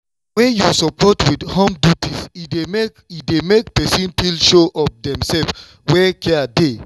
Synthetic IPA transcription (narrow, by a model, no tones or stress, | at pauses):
wɛ̃njusɔpʰɔtwidhɔ̃mdutiside | idemek̚pɛsĩnpilʃoʔɔp̚dɛ̃msɛl | wɛkʰɛade